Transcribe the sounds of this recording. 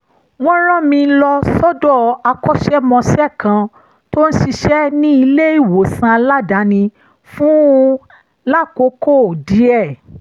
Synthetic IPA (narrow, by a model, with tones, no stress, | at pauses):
w̃ɔ̃˦ɾ̃ã˦˨mĩ˧lɔ˧sɔ˦dɔ˦˨a˧kɔ˦ʃɛ˦mɔ̃˧sɛ˦˨kã˧ | to˦n̩˦ʃi˧ʃɛ˦nĩ˦i˧le˦i˦˨wo˨sã˧la˦da˨˦nĩ˧ | fũ˦ | la˦˨ko˨˦ko˦˨di˨˦ɛ˦˨